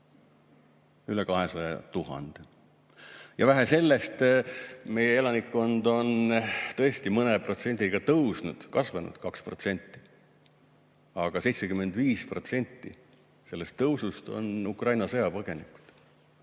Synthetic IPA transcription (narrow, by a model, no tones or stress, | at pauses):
ylekɑɦe̞sɑjɑt̪uɦɑ̰nd̪̥e | jɑvæɦese̞lːe̞st̪ | me̞jee̞lɑnikːo̞nd̪o̞nt̪ɤ̞e̞st̪imɤnepro̞t̪se̞nʲd̪iɡ̥ɑt̪ɤwsnud̪̥kɑsvɑnṵd̪̥kɑkspro̞t̪se̞nʲt̪ːˑi̥ | ɑɡ̥ɑse̞jt̪se̞kymːe̞nd̪̥viːspro̞t̪se̞nʲt̪ːi | se̞lːest̪ːɤwsust̪o̞̰nukrɑjnɑsɤjɑpɤɡ̥e̞niku̥d̪̥